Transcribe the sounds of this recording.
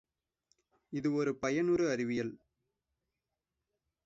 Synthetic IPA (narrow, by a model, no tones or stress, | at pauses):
ɪðɯɔɾɯpɐjɐnɯɾɯɐɾɪʋɪjɐl